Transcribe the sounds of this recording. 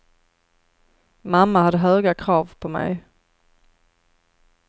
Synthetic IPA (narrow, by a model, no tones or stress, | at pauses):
mamːahad̪ːəɦœːɡakʰɾɑːvpʰɔmɛ̰j